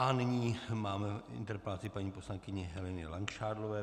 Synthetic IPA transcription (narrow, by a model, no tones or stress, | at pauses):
ʔanɪɲiːmaːmɛɪ̰nt̪ɛɾpɛlat͡sɪpaɲiːposlaŋkɪɲɛɦɛlɛnɪlaŋkʃaːdlovɛː